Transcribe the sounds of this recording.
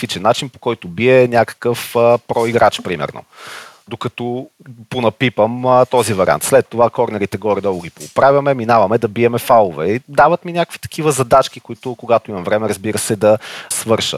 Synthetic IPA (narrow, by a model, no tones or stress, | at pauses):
t̪it͡ʃɛnːat͡ʃinpo̥kɔjt̪ʊbiɛnʲakə̥kəfpɾɔiɡɾʔat͡ʃpɾimɛ̰ɾno̰ | d̪okɐt̪ɔ | ponɐpipəmt̪ɔzivɐɾʲḭa̰nt̪slɛt̪ːovakɔɾnɛɾit̪ɛɡɔɾid̪ɔɡʊɡipoːpɾavʲjɐmɛminavɐmɛd̪ɐbiɛmɛfalˠovɛid̪avət̪minʲakəkvi̥t̪ɐ̥k̟ʰivəzɐd̪at͡ʃk̟ikʊit̪ʊkoɡat̪oimɐmvɾɛmɛɾəzbiɾəsɛd̪ɐsvɤɾʃə̰